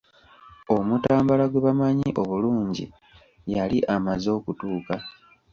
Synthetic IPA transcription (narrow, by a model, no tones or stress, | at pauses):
o̞mutaːmbalaɡweβamaɲiʔo̞βuluːɲɟḭ | jaliʔamazo̞ːkutuːka